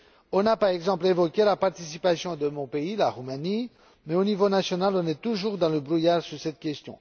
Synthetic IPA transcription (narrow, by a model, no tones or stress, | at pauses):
ɔ̃napaʁɛɡzɑ̃plevɔkʲelapaʁt̪isipasjɔ̃d̪əmɔ̃peilaʁumani | mɛonivonasjɔnalɔ̃nɛt̪uʒuʁd̪ɑ̃ləbʁujaʁsyʁsɛt̪kʲɛst̪jɔ̰̃